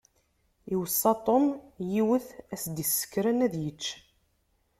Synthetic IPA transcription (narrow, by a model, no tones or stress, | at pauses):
iwəsˤːɑt̪ˤːonjiwəθæsd̪isːə̥kːɾænæðjət͡ʃː